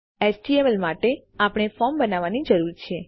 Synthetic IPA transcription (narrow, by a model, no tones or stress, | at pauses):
esʈiemelmaʈe | apəɳ̃efɔɾmbənaʋanid͡ʒəɾuɾt͡ʃʰe